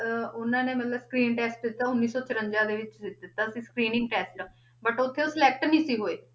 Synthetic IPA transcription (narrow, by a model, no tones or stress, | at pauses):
ʊnãːneːmət̪ləbskɾiːnʈɛːsʈd̪ɪt̪ːaːʊnːiːsɔːt͡ʃʰəɾəɲd͡ʒãːd̪eːʋɪt͡ʃɪɪt̪ːaːəsĩːskɾiːnɪ̃ŋɡ̚ʈɛːsʈɖõː | bəʈʊt̪ʰːeːoːsɪlɛːk̚ʈnĩːsiːɦoːeː